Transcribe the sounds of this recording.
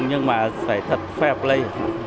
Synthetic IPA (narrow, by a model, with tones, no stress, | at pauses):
ɲɨ˧ŋmaː˨˩sa̰ː˧˩jt̪ʰə˨˩t̚fɛ˧˩p̚lə˧j